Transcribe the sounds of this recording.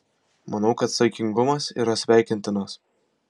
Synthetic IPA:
mɐnɐʊkɐt̪sɐɪkʲɪŋɡʊmɐsḭːɾɐsʲʋʲæˑɪkʲɪnʲt̪ʲɪnɐs

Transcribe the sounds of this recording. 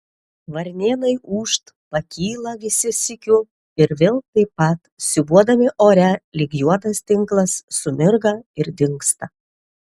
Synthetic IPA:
ʋɐɾʲnʲeːnɐɪuːʃt̪ | pɐkʲʰiːlˠɐʋʲɪsʲɪsʲɪkʲʊ | ɪɾʋʲeːlˠt̪ɐɪpːɐt̪sʲɪbuɔd̪ɐmʲɪʔoːɾʲɛlʲɪɡʲjuɔt̪ɐst̪ʲɪŋklˠɐsːʊmʲɪɾɡɐɪɾd̪ʲɪŋkst̪ɐ

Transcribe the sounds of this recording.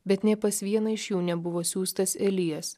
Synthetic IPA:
bʲɛt̪nʲɛpɐsʋʲiɛnɐɪʃjuːnʲɛbʊʋoːsʲuːst̪ɐsɛlʲɪjɛs

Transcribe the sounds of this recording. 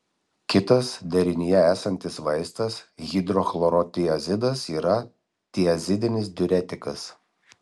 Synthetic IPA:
kʲɪt̪ɐsd̪ʲɛɾʲɪnʲɪjɛæːsɐnʲt̪ʲɪsʋɐɪst̪ɐsɣʲid̪ɾɔxlˠɔɾɔt̪ʲɪjɐzʲɪd̪ɐsiːɾɐ | t̪ʲɪɐzʲɪd̪ʲɪnʲɪs̬d̪ʲʊɾʲɛt̪ʲɪkɐs

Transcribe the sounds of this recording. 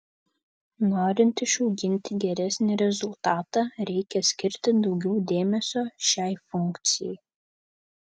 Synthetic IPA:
noːɾʲɪnt̪ɪʃɔʊɡʲɪnʲt̪ʲɪɡʲɛɾʲɛsʲnʲɪɾʲɛzʊlˠt̪ɑːt̪ɑːɾʲɛɪkʲɛsʲkʲɪɾʲt̪ʲɪd̪ɒʊɡʲɛʊd̪ʲeːmʲɛsʲoːʃʲæɪfʊŋʲˑkt̪sʲɪjɛj

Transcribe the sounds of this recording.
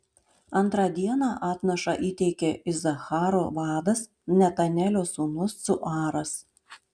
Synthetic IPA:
ɐnˑt̪ɾɑd̪ʲiɛnɑːʔɑːt̪ʲnʲɛʃɐʔiːt̪ʲɛɪkʲeʔɪzɐxɑːɾoʋɑːd̪ɐs | nʲɛt̪ɐnʲɛlʲoːsuːnʊsːʊʔɑːɾɐs

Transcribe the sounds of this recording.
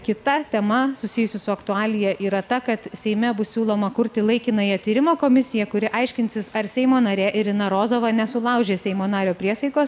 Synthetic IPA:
kʲɪt̪ɐt̪ʲɛmɐsʊsʲɪjʊsʲʊsʊɐkt̪ʊɑːlʲɪjɛʔiːɾɐt̪ɐkɐt̪sʲɛɪmʲɛbʊssʲuːlˠoːmɐkʊɾʲt̪ʲɪlˠɐɪkʲɪnɐjɛt̪ʲiːɾʲɪmoːkoːmʲɪsʲɪjɛkʊɾʲɪʔɐɪʃʲkʲɪnʲsʲɪsɐɾsʲɛɪmoːnɐɾʲeːʔɪɾɪnɐɾoːzoːʋɐnʲɛsʊlˠɐʊʒʲeːsʲɛɪmoːnɑːɾʲoːpʲɾʲiɛsɐɪkoːs

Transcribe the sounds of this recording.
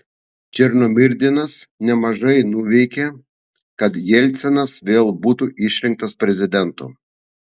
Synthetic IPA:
t͡ʃʲɪɾnoːmʲɪɾʲd̪ʲɪnɐsnʲɛmɐʒɐɪnuːʋʲɛɪkʲe | kɐt̪jɛlʲt̪sʲɛnɐsʋʲeːlˠbuːt̪uʔɪʃʲɾʲɪŋk̚t̪ɐspʲɾʲɛzʲɪd̪ʲɛnt̪o̰ː

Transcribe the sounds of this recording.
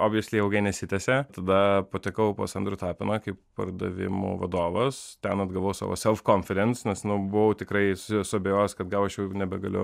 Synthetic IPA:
oːbʲjɛsʲlʲeɪɐʊɡʲɐɪnʲɛsʲɪt̪ʲɛsʲɛt̪ɐd̪ɐpoːt̪ʲɛkɐʊpo̰ːsɐnd̪ɾʊt̪ɑːpʲɪnɐkɐɪppɐ̰rd̪ɐʋʲɪ̰mʊ̰ʋɐ̰d̪oːʋɐst̪ʲɛnɐd̪ɡɐlˠʋɐʊsɑ̰ːʋo̰sʲɛlˠfkoːnʲfʲɛɾʲɛnt̪snʲɛsnʊbʊʋɐʊt̪ʲɪkɾɐɪssʊɐbʲejoːskɐt̪ɡɐlˠɐʃjɛʊnʲɛbʲɛɡɐlʲʊ

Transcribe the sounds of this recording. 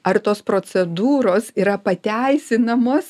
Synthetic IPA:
ɐrt̪oːspɾoːsʲɛd̪uːɾoːsiːɾɐpɐt̪ʲæɪsʲɪnɐmoːs

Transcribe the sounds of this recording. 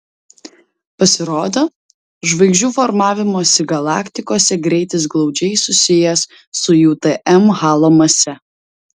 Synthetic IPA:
pɐsʲɪɾoːd̪oː | ʒʋɐɪɡʒʲd͡ʒʲuːfɔɾmɑːʋʲɪmoːsʲɪɡɐlˠɑːkʲt̪ʲɪkoːsʲɛɡɾʲɛɪt̪ʲɪs̬ɡlˠɒʊd͡ʒʲɛɪsʊsʲɪjɛsː | ʊjuːt̪ɛʔɛmɣɑːlˠoːmɐsʲɛ

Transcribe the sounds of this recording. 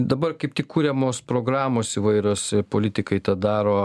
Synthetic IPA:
d̪ɐbɐrkɐɪp̚t̪ʲɪkkuːɾʲɛmoːspɾoːɡɾɑːmoːsiʋɐɪɾʲoːspoːlʲɪt̪ʲɪkɐɪt̪ɐd̪ɑːɾoː

